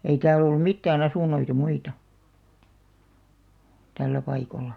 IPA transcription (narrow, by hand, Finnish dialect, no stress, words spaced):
ei tæːl olːum̆ mitːæːn ɑsuˑnˑoitɑ muitɑ tælːæ pɑikolːɑ